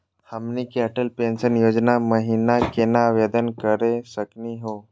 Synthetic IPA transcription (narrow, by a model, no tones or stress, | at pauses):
həmnikiəʈəlpeːnsənjoːd͡ʒnaməɦinakenaʋed̪ənkəɾesəkniɦoː